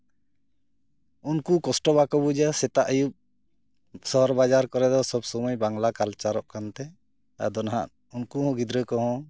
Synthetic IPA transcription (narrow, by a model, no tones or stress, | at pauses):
unkukɔsʈɔbakɔbud͡ʒasɛt̪aʔəjup̚ | sɔɦɔɾbad͡ʒaɾkɔɾɛd̪ɔsɔbsɔmɔjbaŋlakalt͡ʃaɾɔʔkant̪ɛ | a̰d̪ɔnaɦa̰ʔ̪ | unkuɦɔ̃ɡid̪ɾəkɔɦɔ̃